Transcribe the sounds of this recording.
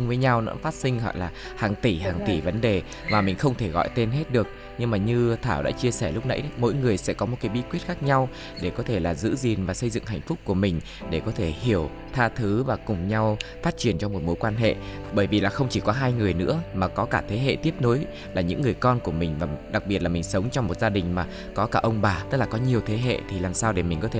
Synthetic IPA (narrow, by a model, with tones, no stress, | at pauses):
ŋvəː˨˦jɲa˧wnɨ̰˧˥əfaː˦˥t̚sï˧ŋɦɔ̰˧˨jlaː˨˩ | haː˨˩ŋt̪i˧˩ɦaː˨˩ŋt̪i˧˩və˨˦nɗe˨˩ | maː˨˩mï˨˩ŋ̟xə˧wŋ͡mt̪ʰe˧˩ɣɔ̰˧˨jt̪e˧nɦe˦˥t̚ɗɨ˨˩ək̚ | ɲɨ˧ŋmaː˨˩ɲɨ˧t̪ʰaː˧˩wɗa̰ː˧˥t͡ɕi˧əsɛ˧˩lʊ˦˥k͡p̚na̰˧˥jmo̰˧˥jŋɨ˨˩əjsɛ̰˧˥kɔ˨˦mo˨˩t̚kaː˨˦jɓi˧˥kwi˦˥ət̚xaː˦˥k̚ɲa˧w | ɗe˧˩kɔ˨˦t̪ʰe˧˩laː˨˩zɨ̰˧˥zi˨˩nvaː˨˩sə˧jzɨ̰˧˨ŋɦa̰˧˨jŋ̟fʊ˦˥k͡p̚ku˧˩əmï˨˩ŋ̟ | ɗe˧˩kɔ˨˦t̪ʰe˧˩hi˧˩əw | t̪ʰaː˧t̪ʰɨ˨˦vaː˨˩kʊ˨˩ŋ͡mɲa˧wfaː˦˥t̚t͡ɕi˧˩ənt͡ɕɔ˧mo˨˩t̚mo˨˦jkwaː˧nɦḛ˧˨ | ɓəː˧˩jvi˨˩laː˨˩xə˧wŋ͡mt͡ɕi˧˩kɔ˨˦ɦaː˧jŋɨ˨˩əjnɨ̰˧˥əmaː˨˩kɔ˨˦kaː˧˩t̪ʰe˨˦ɦḛ˧˨t̪i˦˥əp̚no˨˦j | laː˨˩ɲɨ̰˧˥ŋːɨ˨˩əjkɔ˧nku˧˩əmï˨˩ŋ̟vaː˨˩ɗa˨˩k̚ɓi˨˩ət̚laː˨˩mï˨˩ŋ̟sə˨˦wŋ͡mt͡ɕɔ˧wŋ͡mmo˨˩t̚zaː˧ɗï˨˩ŋ̟maː˨˩ | kɔ˨˦kaː˧˩ʔə˧wŋ͡mɓaː˨˩t̪ɨ˦˥laː˨˩kɔ˨˦ɲi˨˩əwt̪ʰe˨˦ɦḛ˧˨t̪ʰi˨˩laː˨˩msaː˧wɗe˧˩mï˨˩ŋ̟kɔ˨˦t̪ʰe˧˩